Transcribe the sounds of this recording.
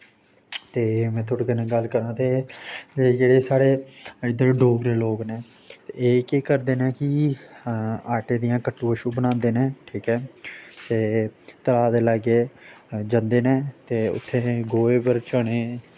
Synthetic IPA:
t̪eːmɛ̃ːt̪ʰʊɽɡenẽːɡəlkəɾãːt̪eː | d͡ʒeːɽeːsaːɽeːɪd̪əːɖoːɡɾeːloːkneː | t̪eːeːkeːkəɾd̪eːnẽːkɪ | aːʈeːd̪ɪjãːkəʈːuːəʃuːbənãːnd̪eːnẽːʈʰiːkɛːt̪eːt̪əɾaːd̪eːlaːɡeːd͡ʒə̃nd̪eːnẽːt̪eːʊ̰t̪ʰːeːɡoːeːpəɾt͡ʃəɽ̃eː

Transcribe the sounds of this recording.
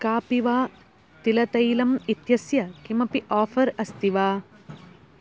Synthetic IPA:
kaːpiʋaː | t̪ilɐt̪ɐjlɐmit̪jɐsjɐkimɐpiʔaːfʰɐɾɐst̪iʋaː

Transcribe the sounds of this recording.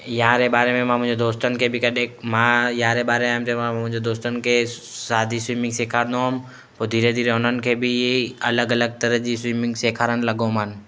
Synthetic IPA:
jɐɦãɾebaːɾemẽmãmʊ̃ɪ̃d͡ʒod̪oːst̪ənɪkʰebʱikɐɗekmãjɐɦãɾebaːɾemẽːmt̪emãʊ̃ɪ̃d͡ʒod̪oːst̪ənɪkʰesaːd̪ʱiswiːmɪ̃ŋɡseːkʰaːɾd̪õɦm | pod̪ʱiːɾed̪ʱiːɾeɦoʊnənɪ̆kʰebʱijeɐləɡɐləɡ̚t̪əɾəd͡ʒiswiːmɪ̃ŋɡseːkʰaːɾənləɡõman

